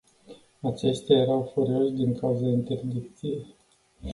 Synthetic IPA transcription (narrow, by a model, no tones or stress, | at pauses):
at͡ʃe̞st̪eaje̞ɾawfoɾio̞ʃd̪iŋkauzaint̪e̞rd̪ik̚t̪sijej